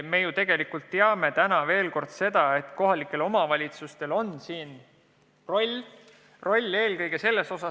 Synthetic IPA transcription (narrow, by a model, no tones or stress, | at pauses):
me̞jut̪e̞ɡ̥e̞likult̪ːeɑme̞t̪ænɑve̞ːlko̞rd̪̥se̞d̪̥ɑe̞t̪ko̞ɦɑlikːˑe̞lo̞mɑvɑlʲit̪sust̪e̞lo̞nːsiːn | ro̞lʲ | ro̞lʲːe̞ːlkɤjɡ̥e̞se̞lːe̞so̞sɑ